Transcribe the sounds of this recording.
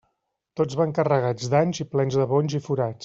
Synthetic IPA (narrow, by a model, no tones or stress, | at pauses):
t̪od͡zzβaŋkərəɣ̞ad͡zd̪aɲziplɛnzðəβoɲʲzifuɾat͡s